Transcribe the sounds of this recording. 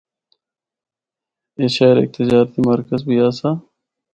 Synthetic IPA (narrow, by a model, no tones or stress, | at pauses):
eːʃeɾḛːk̚t̪ɪd͡ʒaːɾt̪imɐɾkəzbʱiaːsaː